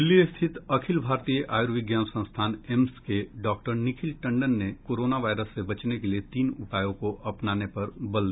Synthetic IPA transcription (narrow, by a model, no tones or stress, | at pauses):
d̪ɪlːist̪ʰɪt̪ɐkʰɪlbʱaːɾt̪ijəʔaːjuɾʋɪɡjaːnsə̃st̪ʰaːnɛmskeɖɔːk̚ʈəɾnɪkʰɪlʈɐ̃ɳɖənːekoːɾoːnaʋaːɪɾəsːebɐt͡ʃnekeliet̪iːnʊʈaːjõkoʔɐpnaːnepɐɾbɐld̪